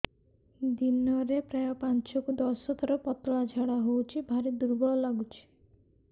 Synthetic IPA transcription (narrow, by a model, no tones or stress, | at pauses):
d̪inɔɾepɾajɔpãnt͡ʃɔkud̪ɔsɔt̪ʰɔɾɔpɔt̪ɔɭad͡ʒʱaɽaɦowt͡ʃʰibʱaɾid̪uɾbɔɔlaɡut͡ʃʰi̥